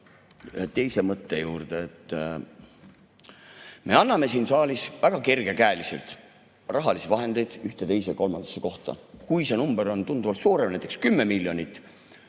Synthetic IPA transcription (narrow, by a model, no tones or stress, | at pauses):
et̪e̞jse̞mɤt̪ːe̞juːrd̪̥eet̪ːˑ | me̞ɑnːɑme̞siːnsɑːlisvæɡ̥ɑke̞rɡ̥e̞kæːlise̞̰lt̪ˑ | rɑɦɑlisivɑɦe̞nd̪̥e̞jd̪̥yht̪e̞t̪e̞jse̞ko̞lmɑnd̪ɑ̥sːe̞ko̞ht̪ɑ̰kujse̞numb̥eɾo̞nt̪und̪uvɑlt̪suːɾemnæjt̪ekskymːe̞milʲjo̞nʲit̪ːˑ